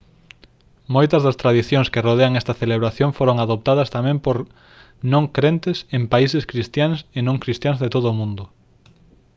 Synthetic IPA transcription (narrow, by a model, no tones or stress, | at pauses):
mojt̪ɐzðɐst̪ɾaðiθjõŋskeroð̞eaŋɛst̪ɐθeleβɾaθjoŋfoɾoŋaðop̚t̪aðɐst̪amɛ̃mpoɾ | nõŋkɾent̪ɪsempaiseskɾist̪jaŋsenõŋkɾist̪jaŋzðet̪oðʊːmũnd̪ʊ